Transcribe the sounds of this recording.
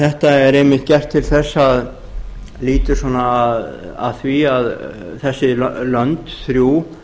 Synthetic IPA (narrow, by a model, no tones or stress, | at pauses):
θɛht̪aɛɾejmɪht̪̚cɛr̥t̪ʰːɪlθɛsːað | liːt̪ʏsɔːnaːða̰ðθviaðθɛsːɪlœnt̪θɾjuː